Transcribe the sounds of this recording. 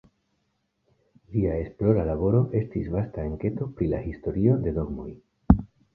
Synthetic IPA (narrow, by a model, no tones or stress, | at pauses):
liae̞splo̞ɾalaβo̞ɾo̞ʔe̞stisvastaeŋke̞to̞pɾilahisto̞ɾio̞d̪e̞do̞ɡmo̰j